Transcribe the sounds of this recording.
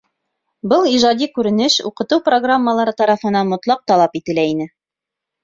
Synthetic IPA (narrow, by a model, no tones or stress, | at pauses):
bɤlˠiʒɑd̪ʲikʉɾɘ̆nɘʃṵqɤ̆t̪ɤwproɡramːəlˠɑɾɤt̪ɑɾɑfɤ̆nɑnmŏt̪lˠɑq̚t̪ɑlˠɑpit̪ɘ̆læinɘ